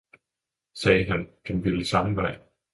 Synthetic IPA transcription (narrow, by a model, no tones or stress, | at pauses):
sɛːɦænd̥enb̥i̥isɑ̈m̩ʋɑɪ̰